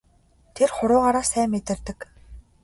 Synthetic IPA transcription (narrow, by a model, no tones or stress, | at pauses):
t̪ʰerχʊɾʊːʁaːɾaːsæːmːet̪ɪ̆rt̪ɘ̆k